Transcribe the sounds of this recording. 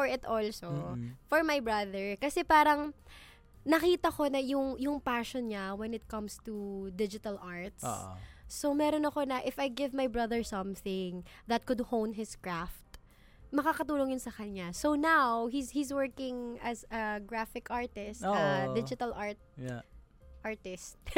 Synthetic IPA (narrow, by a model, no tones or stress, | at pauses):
fɔɹɪt̪ʔɔlsofɔɹmajbɹɐðɛɹkɐsɛpaːɾɐŋ | nɐkiːt̪ɐko̞nɐjʊŋjʊŋpaʃɔnɲawɛnɪt̪̚kɐ̃mst̪ud̪ɪd͡ʒɪt̪ɐlʔaɹt̪ssomɛːɾonɐko̞nɐʔɪfajɡɪvmajbɹɐðɛɹsɐ̃mθɪ̃ŋ | ðɐt̪̚kʊd̪hownd̪hɪskɹaft̪̚ | mɐkaːkɐt̪uːloŋjʊnsɐkɐɲasownawɦizhizwɛɹkɪ̃ŋɐzɐɡɹafɪkaɹt̪ɪstɐd̪ɪd͡ʒɪt̪ɐlʔaɹt̪̚ | ʔaɹt̪ɪst̪̚